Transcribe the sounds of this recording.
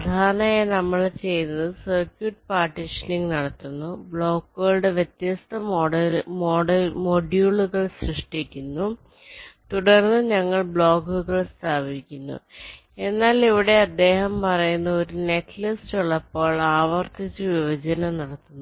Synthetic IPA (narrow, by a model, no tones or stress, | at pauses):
pɐd̪ʱaːnaːjenɐmːɐɭt͡ɕe̞jnːɐðɨsɐrkjuʈ̚paːʈːiʂɐniŋɡnɐɽɐt̪ːunːubɭo̞ːkːuɣɐɭɨɽe̞ʋjet̪jɐst̪ʰɐmoɽmoːɖɐmoɖjuːɭuɣɐɭsrɨʂʈikʲːunːu | t̪uɽɐrnːɨɲɐŋːɐɭbɭo̞ːkːuɣɐɭst̪ʰaːbikʲːunːṵ | e̞nːaːliʋiɽe̞ɐd̪ːe̞ːɦɐmpɐrɐjunːɐoɾune̞kːlɐstuɭːɐpːo̞ːɭaːʋɐrt̪it͡ɕːɨʋiʋɐd͡ʑɐnɐnɐɽɐt̪ːunː